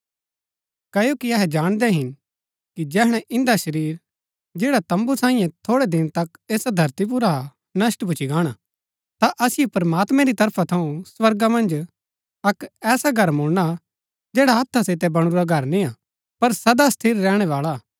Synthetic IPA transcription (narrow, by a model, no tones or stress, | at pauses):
kɐjokiɐɦɛd͡ʒaːɽ̃d̪ɛɦɪn | kid͡ʒɛːɦɽ̃ɛ̃ʔɪ̃nd̪aʃɐɾiːɾ | d͡ʒeːɽat̪ɐ̃mbusãːĩjɛ̃t̪ʰoːɽɛd̪ɪnt̪ɐkeːsad̪ʱɐɾt̪ip̬ʊɾa | nɐsʈbʊt͡ʃʰiɡaːɽ̃a | t̪aʔɐsɪjopɐɾmaːt̪mɛ̃ɾit̪ɐɾpʰat̪ʰɐũswɐɾɡamɐ̃nd͡ʒ | ɐkɛːsaɡʱɐɾmʊɽna | d͡ʒɛːɽaɦɐt̪ʰːasɪt̪ɛbɐɽ̃ʊɾaɡʱɐɾnĩa | pɐɾsɐd̪ast̪ʰiːɾːɛːɽ̃ɛʋaːla